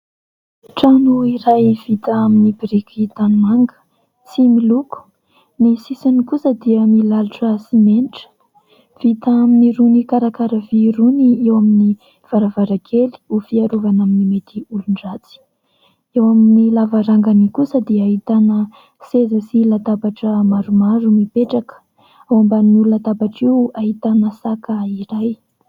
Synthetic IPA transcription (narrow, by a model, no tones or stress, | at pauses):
ʈ͡ʂanuiɾajv̥it̪aaminibiɾikʲit̪animaŋɡə̥ | t͡similuku̥ | nisisinikusəd̪iəmilaluʈ͡ʂəsimeniʈ͡ʂə̥ | v̥it̪aaminiɾunikaɾakaɾəviɾuniewamini | v̥aɾavaɾaɡʰeli̥ufiaɾuvanaminimet̪iulunɖ͡ʐat͡si̥ | ewaminilavaɾaŋɡanikusəd̪iəaɦit̪anə | sezəsilat̪abaʈ͡ʂəmaɾumaɾumipeʈ͡ʂakə̥ | awambaniulunat̪abaʈ͡ʂiwaɦit̪anəsakəiɾaj